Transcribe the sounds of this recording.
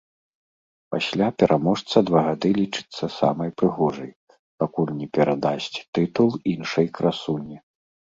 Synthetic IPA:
pasʲlʲapʲɛɾʔamɔʂt̪sɐd̪vaɣad̪ɨlʲit͡ʂɨ̥t̪sːɐsa̰mɐjpɾɨɣɔʐɐj | pakulʲnʲɛpʲɛɾad̪asʲt͡sʲt̪ɨt̪ulˠinʂɐjkɾasunʲi

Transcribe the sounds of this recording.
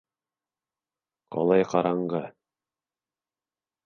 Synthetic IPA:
qɒ̰lˠɑjqɑɾɑɴɢɤ

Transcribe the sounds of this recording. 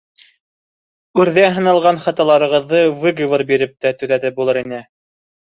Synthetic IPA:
ʉɾðæɦɤ̆nɑlˠʁɑnχɑt̪ɑlˠɑɾɤ̆ʁɤ̆ðːɤvɘɡɤvɤɾbiɾɘp̚t̪æt̪ɵ̆ðæðɘp̚bulˠɤɾinɘ

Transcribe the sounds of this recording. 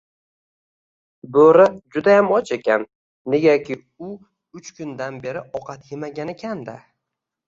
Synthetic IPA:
boɾad͡ʒʊd̪ajamɒt͡ʃʰe̞kʲanː | e̞ɡʲakʲɪ | ʊ | ʊt͡ʃkʰʊnd̪anbe̞ɾɪʔɒqʰɑt̪jemaɡʲanekʲʰand̪a

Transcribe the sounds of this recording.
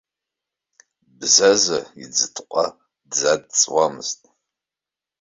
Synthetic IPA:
bzaza̰id͡zɨtʰqʷʼa | dzad̚t͡sʼwamɨ̰ztʼ

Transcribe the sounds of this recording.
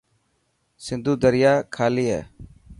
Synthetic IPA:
sɪnd̪ʱuːd̪əɾɪjaːkʰaːliːɦɛ̰ː

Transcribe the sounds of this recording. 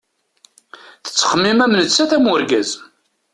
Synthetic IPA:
θə̥t͡sːχəmːimæmnət͡sːæθæmʊɾɡæz

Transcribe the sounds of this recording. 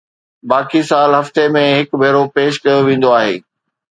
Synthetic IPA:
baːkʰisaːlɦɐft̪emẽɦɪkbʱeːɾopeːʃ̬kɐjoʋẽːnd̪oaːɦḛː

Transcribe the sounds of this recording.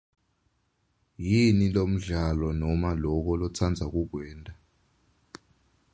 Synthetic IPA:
jinilom̩ɮalɔnɔmalɔk̬ɔlɔt͡sʰand͡zʱak̬uɡ̥ʱwɛːndʱʼa

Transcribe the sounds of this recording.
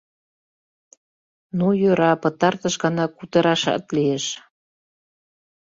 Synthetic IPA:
nujøɾɑpɤ̆t̪ɑrt̪ə̆ʃɣɑnɑkut̪əɾɑʃɑ̰t̪lieʃ

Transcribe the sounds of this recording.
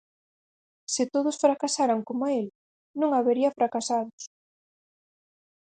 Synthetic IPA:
sɪt̪oðʊsfɾakasaɾaŋkomael | nũŋaβeɾiɐfɾakasaðʊs

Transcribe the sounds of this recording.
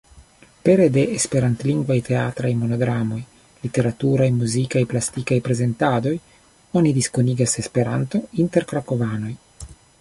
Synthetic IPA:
peɾed̪e̞ʔespeɾant̪liŋɡvajt̪ʰeat̪ɾajmo̞noɡɾamo̞j | lit̪e̞ɾat̪uɾajmuzikajplast̪ikajpɾeze̞nt̪ad̪o̞j | onid̪iskoniɡase̞spe̞ɾant̪o̞int̪e̞ɾkɾakovano̞j

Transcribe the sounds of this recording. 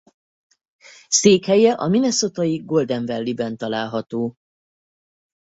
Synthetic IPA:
seːkhɛjɛʔɒminɛso̞t̪ɒjiɡo̞ld̪ɛɱvɛlːibɛnt̪ɒlaːlɦɒt̪oː

